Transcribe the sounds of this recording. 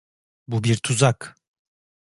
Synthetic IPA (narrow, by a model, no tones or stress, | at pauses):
bubiɾt̪ʰuzak